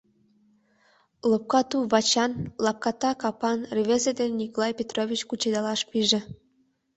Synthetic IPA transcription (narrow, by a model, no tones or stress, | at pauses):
lɤ̆p̚kɑt̪uβɑt͡ɕɑnlɑp̚kɑt̪ɑkɑpɑnreβezed̪enʲnʲikolˠɑjpʲet̪rovʲit͡ɕkut͡ɕed̪ɑlɑʃpiʒĕ